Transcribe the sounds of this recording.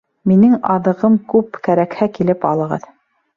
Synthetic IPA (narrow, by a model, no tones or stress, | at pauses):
minɘŋɑðɤ̆ʁɤmkʉpkæɾækhækilɘpɑ̰lˠɤ̆ʁɤ̰ð